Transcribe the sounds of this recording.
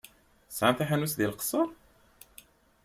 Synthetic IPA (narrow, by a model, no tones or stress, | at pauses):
sʕamθaħanusðilqə̥sˤəɾˤ